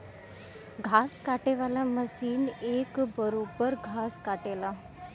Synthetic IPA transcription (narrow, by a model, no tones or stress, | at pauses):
ɡʱaskaʈeʋalaməsiːnekbəɾobəɾɡʱaskaʈela